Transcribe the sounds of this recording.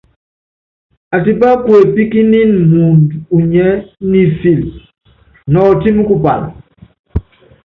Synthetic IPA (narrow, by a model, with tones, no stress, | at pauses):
a˨t̬i˨ba˦kwe˨pi˦ki˦ni˦nmu˨ndu˨ɲɛ˦ni˨fi˨l | nɔ˨ti˦mu˦ku˦˨pa̰˨n˨